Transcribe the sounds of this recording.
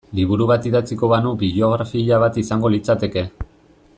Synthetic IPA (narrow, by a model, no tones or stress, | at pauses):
liβ̞uɾuβat̪iðat͡siko̞βanubio̞ɣ̞ɾafiʎaβat̪isaŋɡo̞lit͡sat̪e̞ke̞